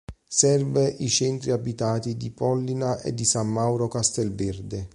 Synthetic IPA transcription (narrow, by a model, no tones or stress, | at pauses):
sɛrveʔit͡ʃɛnt̪ɾiabit̪aːt̪id̪ipɔlːinaʔḛd̪ːisamːawɾokast̪ɛlvɛrd̪e